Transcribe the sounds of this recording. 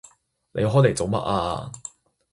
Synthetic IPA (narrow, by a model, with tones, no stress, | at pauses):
lʔḛ˨˧jɦɔː˦˥jle˨˩jt͡so˨wmɐ̰˥t̚ʔa̰ː˧